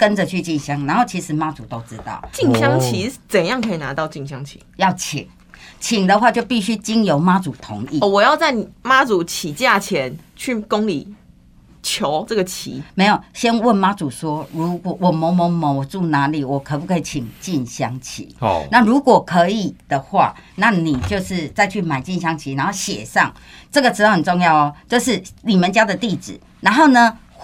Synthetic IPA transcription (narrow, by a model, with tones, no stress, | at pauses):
kə˦nd͡zə˨t͡ɕʰy˥˧t͡ɕi˥˨nɕja˥˦ŋna˧˦nho˥˩t͡ɕʰi˧˥ʂɻ̩˨˦ma˦t͡su˨˩t̪o˥ʊt͡sɻ̩˦t̪ɑ̰˥˩ʊt͡ɕi˥˩nɕja˦˥ŋt͡ɕʰi˧˥t͡sə˨˩njɑ˥˨ŋkʰə˧˥i˨˩na˧˦t̪ɑ˥˧ʊt͡ɕi˥˨nɕjɑ˦ŋt͡ɕʰi̥̰˨˦jɑ˥˨˩ʊt͡ɕʰi˨˩ŋ | t͡ɕʰi˨˩ŋd̪ə˨˦xwa˥˧t͡ɕjo˥˧ʊpi˥˩ɕy˦t͡ɕi˦njo˧˥ʊma˦t͡su˨˩t̪ʰʊ̰˧˥ŋi˥˨wɔ˨˩jɑ˥˧ʊt͡sa˥˩ɪ˨ma˦˥t͡su˨˩t͡ɕʰi˨˦t͡ɕja˥˩t͡ɕʰjɛ˨˦nt͡ɕʰy˥˩ko˦˥ŋli˨˩ | t͡ɕʰjo˧˦ʊt͡sə˥˩ɡə˨˩t͡ɕʰḭ˨˧˦me˧˥ɪjo˨˩ɕjɛ˦˥nwə˥˨nma˦˥t͡su˨˩swɔ˦ɻu˧˦kwɔ˨˩wɔ˨˩mɔ˨˧˦ŋmɔ˨˧˦ŋmɔ˨˦wɔ˨˩t͡su˥˩na˧˦li˨˩wɔ˨˩kʰə˨p̬u˥˩kʰɤ˧˥i˨t͡ɕʰi˨˩ŋt͡ɕi˥˨nɕja˦ŋt͡ɕʰḭ˨˦na˥˨ɻu˧˦kwɔ˨˩kʰɤ˧˦i˨˩d̪̥ə˨xwa̰˥˩ | na˥˨ni˨˩t͡ɕjo˥˧ʊʂɻ̩˥˧t͡sa˥˧ɪt͡ɕʰy˥˩ma˨˩ɪt͡ɕi˥˩˨nɕja˥ŋt͡ɕʰi˧˦na˧˦nxo˥˩ʊɕjɛ̰˨˩ʂɑ̰˥˨ŋ | ʈ͡ʂə˥˩ɡə˨ʈ͡ʂɻ̩˥d̪ɑ˥˩hə˨nt͡so˥˧ŋjɑ˥˩ʊ˨t͡ɕjo˥˧ʊʂ̬ɻ̩˥˩ni˨˩mə˨˦nt͡ɕja˥d̪ə˨t̪i˥˨t͡sɹ̩˨˩˦ | na˧˦nɦo˥˩ʊnə˩